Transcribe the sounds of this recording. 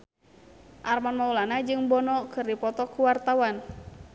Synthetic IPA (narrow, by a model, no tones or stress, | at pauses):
ʔarmanmaulanad͡ʒɨŋbɔnɔkɨrdipɔt̪ɔkuwart̪awan